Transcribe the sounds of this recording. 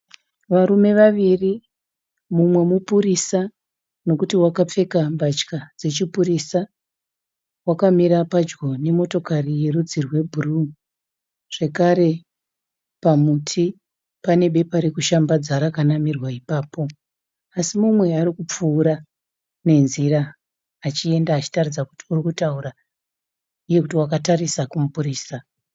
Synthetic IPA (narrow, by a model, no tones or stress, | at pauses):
ʋaɾume̞ʋaʋiri | mumwe̞mupuɾisa | no̞kutiwakap͡fe̞kambat͡ʃkad͡ze̞t͡ʃipuɾisa | wakamiɾapad͡ʒɡo̞ne̞mo̞to̞karije̞ɾud͡zirwe̞bʱuru | ʐ̥e̞kaɾe̞ | pamutʰi | pane̞ɓe̞paɾekuʃambad͡zaɾakanamirwaipaːpo̞ | asimumwe̞aɾikup͡fuːɾa | ne̞nziɾaː | t͡ʃie̞ndaːt͡ʃi̥tarid͡zaku̥ti̥urikutauɾa | uje̞kut̬iwakatarisakumupuriːsa